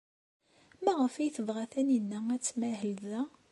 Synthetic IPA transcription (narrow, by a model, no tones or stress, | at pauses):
mæʁəfijθəðˤʁaθæninːææt͡sːmæɦəlðæ